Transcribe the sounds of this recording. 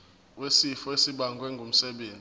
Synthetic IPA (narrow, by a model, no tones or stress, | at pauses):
wesifɔesiɓaŋɡʱwɛŋɡʱum̩sɛɓeːnd͡zʼ